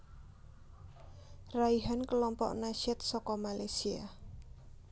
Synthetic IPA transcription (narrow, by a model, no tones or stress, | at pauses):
raiɦankəlɔmpɔ̰ʔnaʃɛt̪̚sɔkɔmalajsia̰